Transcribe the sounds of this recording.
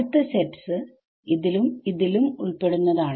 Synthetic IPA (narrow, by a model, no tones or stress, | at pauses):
t̪ːɨsetːsɨ | iðilumiðilumuɭpe̞ɽunːɐðaːɳ